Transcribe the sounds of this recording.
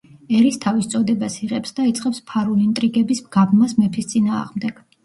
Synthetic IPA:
ɛɾist̪ʰavist̪sʼɔd̪ɛbasiʁɛpsd̪̥ait̪sʼqʼɛpspʰaɾulint̪ʼɾiɡɛbisɡabmasmɛpʰist̪sʼinaːʁmd̪ɛɡ̥

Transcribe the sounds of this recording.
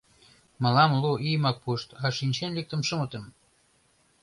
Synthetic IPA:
mə̆lɑmluʔijmɑk̚puʃt̪ɑʃinʲt͡ɕenlek̚t̪ə̆mʃəmət̪ə̆m

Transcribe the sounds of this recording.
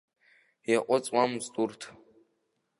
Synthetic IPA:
jaʔʷʼɔt͡sʼwamstʼurtʰ

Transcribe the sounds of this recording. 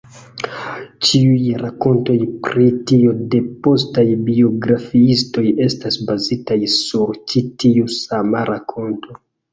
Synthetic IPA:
t͡ʃiujɾako̞nto̞jpɾitio̞de̞po̞stajbio̞ɡɾafiisto̞je̞stasbazitajsuɾt͡ʃitiusamaɾʔakʰo̞nto̞

